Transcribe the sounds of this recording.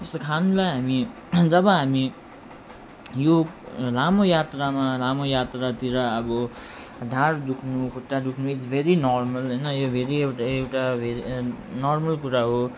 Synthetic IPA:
t̪est̪okʰanũlajɦami | d͡zʌbʌɦami | jolamojat̪ramalamojat̪rat̪iɾʌʌbʌɖʱãɾd̪ukʰnukʰuʈːad̪ukʰnuit͡sbʱeɾinɔrmʌlɦʌjnʌjobʱeɾiewʈaewʈabʱeinɔrmʌlkuɾaɦo

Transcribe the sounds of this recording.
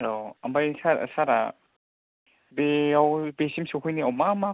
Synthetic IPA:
ɾoambajsaɾa̰saɾa̰ | beawbesimsukʰɔjniawmama

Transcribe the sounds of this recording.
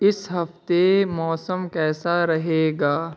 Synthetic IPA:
ɪsɦɐft̪emɔːsəmkɛːsaɾɐɦeːɡaː

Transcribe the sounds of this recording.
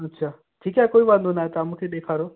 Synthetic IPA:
ɐtːʃʰaː | ʈʰiːkakoːiʋãːnd̪ʱonaːɦet̪amũːkʰeɗ̪eːkʰaːɾo

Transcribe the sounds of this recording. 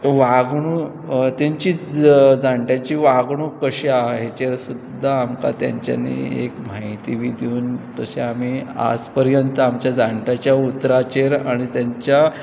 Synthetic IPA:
ʋaɡɳ̃uː | t̪aɲt͡ɕiːd͡zaɳʈjat͡ɕiːʋaɡɳukəɕiaɦet͡ɕeɾsud̪ʱːaːmka̰t̪ja̰ɲt͡ɕja̰nḭḛkmaɦit̪iʋid̪iuːnt̪əɕeam̤ia̰d͡zpəɾjənt̪əamt͡ɕjad͡zaɳʈjat͡ɕjaut̪ɾat͡ɕeɾaɽ̃it̪jaɲt͡ɕja

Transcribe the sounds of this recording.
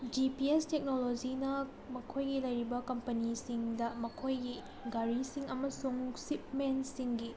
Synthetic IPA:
d͡ʒipiestek̚nolod͡ʒinɐ | mɐkʰojɡilɐjɾibɐkɐmpɐnisiŋdɐmɐkʰojɡi | ɡaɾisiŋɐmɐsuŋsip̚mensiŋɡi

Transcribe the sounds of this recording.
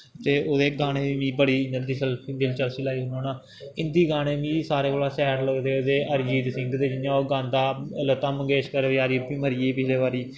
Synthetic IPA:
t̪eːoːd̪eːɡaːɽ̃eːʋĩːbəɽiːnənd̪iːsəlid̪ɪlt͡ʃəlsilaːiːɦʊnoːnãː | ɪnd̪iːɡaːɽ̃ẽːʋĩːsaːɾeːkoːlaːsɛːɾləɡd̪eːod̪eːəɾd͡ʒiːd̪sɪ̃ŋɡd̪eːd͡ʒɪnjãːoːɡãːnd̪aːlət̪ːãːməɡeːʃkəɾeːd̪eːaːɾiːbĩːməɾɪːeːpɪt͡ʃʰleːβaːɾiː

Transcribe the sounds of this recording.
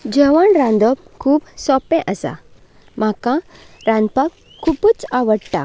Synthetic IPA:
d͡ʑəʋaɳɾãnd̪ɔb | kʰuːbsɔpɛ̃ʔəsa̰ | m̤akã | ɾãnpakʰːuput͡saʋəɽʈa̰

